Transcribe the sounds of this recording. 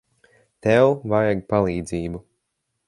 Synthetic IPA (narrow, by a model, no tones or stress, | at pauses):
t̪ɛwvajaɡpalˠiːd̪ziːbu